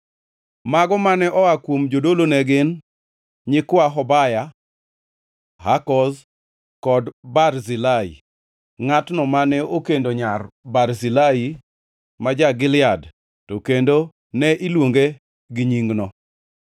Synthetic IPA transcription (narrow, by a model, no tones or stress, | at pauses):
maɡɔmanɛʔɔakwomd͡ʒodolonɛɡɪn | ɲɪkwaɦɔbaja | hakɔz | kɔdbarzilaḭ | ŋatnɔmanɛokendoɲarbarzilai | mad͡ʒaɡɪlɪad | tokendo | nɛʔilwoŋɡe | ɡɪɲiŋɡnɔ